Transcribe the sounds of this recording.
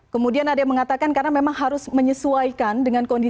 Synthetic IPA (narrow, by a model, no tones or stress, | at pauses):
kəmudianadaməŋat̪akankarnamemaŋɦaɾʊsməɲəsuaikandəŋankɔndi